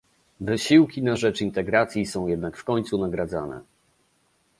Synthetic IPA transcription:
vɘɕiwkʲinaʐɛt͡ʂint̪ɛɡɾat̪sʲjisɔ̃w̃jɛd̪nakfkɔɲt̪sunaɡɾad̪zanɛ̰

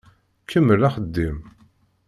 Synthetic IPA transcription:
kʰːəmːəlaχəd̪ːim

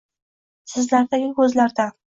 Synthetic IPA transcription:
sɪzlaɾd̪aɡʲɪkɵzlaɾd̪a

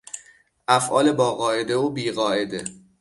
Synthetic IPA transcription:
ʔæfʔɒːle̞bɒːɣɒːʔe̞d̪eoːbiːɣɒːʔed̪e

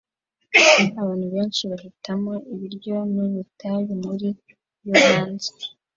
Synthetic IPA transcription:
aβaːn̥huβe̞ːnt͡ʃiβahitʰamoʔiβiɾɟo̞niβitʰaβimuɾi | joβaːnzi̥

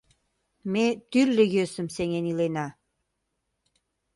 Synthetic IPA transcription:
met̪yrlĕjøsəmseŋenilenɑ

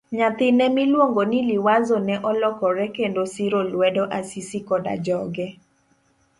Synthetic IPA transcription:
ɲat̪ɪnɛmilwoŋɡoniliwazonɛʔɔlɔkɔɾɛkendosiɾolwɛdɔʔasisikɔda̰d͡ʒɔɡɛ

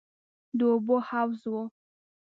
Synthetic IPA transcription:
d̪əobohawzwo

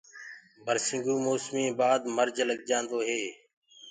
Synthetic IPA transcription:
bʱəɾsɪ̃ŋɡuːmoːsmĩːbaːd̪məɾd͡ʒləɡd͡ʒãːnd̪oːɦeː

